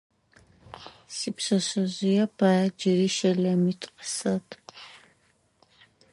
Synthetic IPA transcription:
sipʰsɔsɔziabaɛd͡ʒiɾiʃɛlɛmit̪ʼqʼsad̪

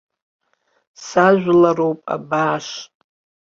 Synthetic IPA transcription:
saʒᶣʷlaɾowpʼa̰baːʃ

